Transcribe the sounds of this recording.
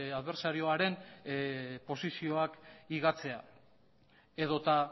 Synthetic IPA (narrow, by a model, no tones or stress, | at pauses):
aðβe̞ɾsaɾio̞aɾe̞n | po̞sisio̞akiɣat͡se̞a̰ | e̞ðo̞t̪a